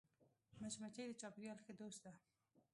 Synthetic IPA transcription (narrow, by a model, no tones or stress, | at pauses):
maʃmat͡ʃajd̪ət͡ʃɑpɪɾjɑlxed̪ost̪̚d̪a